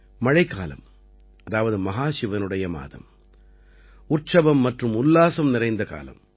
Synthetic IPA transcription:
mɐɻɐɪkːa̰ːlɐ̰m | ɐðaːʋɐðɯmɐɦaːʃɪʋɐnɯɽɐjɐma̰ːðɐ̰m | ʊrt͡ʃɐʋɐmːɐʈrɯmʊlːaːsɐmnɪrɐɪnd̪ɐka̰ːlɐ̰m

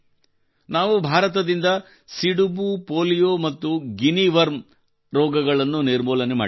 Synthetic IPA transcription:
naːʋubʱaːɾɐt̪ɐd̪ind̪ɐ | siɽubupoːlijoːmɐt̪ːuɡiniʋɐɾm | ɾɔːɡɐɡɐɭɐnːuniɾmɔːlɐnema̰ː

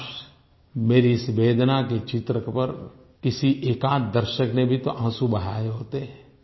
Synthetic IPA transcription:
ʃ | meːɾisbeːd̪ʱnaket͡ʃɪt̪ɾəkpɐɾ | kɪsiʔeːkaːt̪̚d̪ɐɾʃəknebʱit̪oʔãːsubɐɽ̤aːjeɦoːt̪eɦɛ̃ː

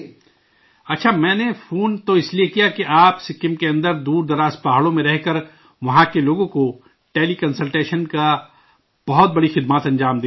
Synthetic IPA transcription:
ɐtːʃʰamɛ̃ːnefʰuːnt̪oɪsliekijakiʔaːpsekɪmkeɐ̃nd̪əɾd̪uːɾd̪ɐɾaːspaɦɽõmẽɾɛɦkɐɾ | ʋɐɦãkeloːɡõko | ʈeːlikɐnsəlʈeːʃənka | b̥ɐɦɔt̪̚bɐɽixɪd̪maːt̪ɐ̃nd͡ʒaːmd̪e

